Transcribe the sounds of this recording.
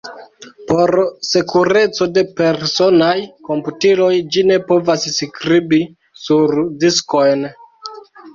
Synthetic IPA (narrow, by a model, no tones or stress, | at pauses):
po̞ɾse̞kuɾe̞t͡so̞de̞pe̞ɾso̞najko̞mputilo̞jd͡ʒine̞po̞vasskɾibi | suɾdisko̞jn